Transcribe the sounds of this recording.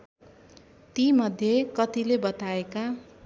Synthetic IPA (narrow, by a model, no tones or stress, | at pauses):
t̪imʌd̪ʱjekʌt̪ilebʌt̪aeka